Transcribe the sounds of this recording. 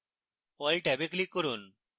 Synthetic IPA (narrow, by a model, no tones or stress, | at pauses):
ɔjlʈɛbeklikːoɾun